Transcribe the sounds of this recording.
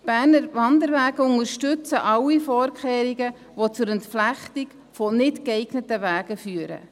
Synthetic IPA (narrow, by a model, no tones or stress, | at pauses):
b̥æːɾnəɾʋɑndəɾʋæːɡəʊŋəɾʃtʉt͡səʔɑwːifɔːɾkχeːɾiɡə | ʋot͡sʊɾɛntflæχtik | fonɪtkɛɪɡnətəʋæːɡ̥əfyːəɾə̰